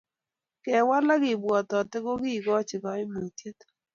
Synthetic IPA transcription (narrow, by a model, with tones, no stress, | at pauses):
kɛ˨wa˦la˦kɪ˨bwɔ˨tɔ˨tɪ˦ko˦kɪ˦˨ɡɔ˦t͡ʃɪ˨kɔ˨˦ɪ˦mo˨tje˦t